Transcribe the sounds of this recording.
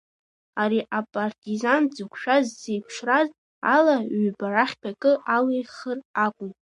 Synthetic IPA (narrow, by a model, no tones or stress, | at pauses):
aɾiʔapʼartʼizand͡zɨkʷʰʃᶣazzejpʰʂraz | a̰laɥbaɾaχʲpʰakʼɨʔalejχərakʷʼʊmtʼ